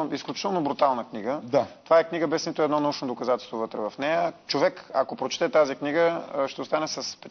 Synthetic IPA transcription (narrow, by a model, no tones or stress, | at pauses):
isklʲut͡ʃit̪ɛlˠnobɾut̪alˠnəkniɡəat̪ovaɛkniɡəbɛsnit̪ʊɛd̪nɔnɐut͡ʃnod̪okɐzat̪ɛlst̪vovət̪ɾɛvɐfnɛjət͡ʃovɛkɐkopɾot͡ʃi̥t̪ɛt̪azikniɡəʃt̪ɛost̪anɛsɐspɛ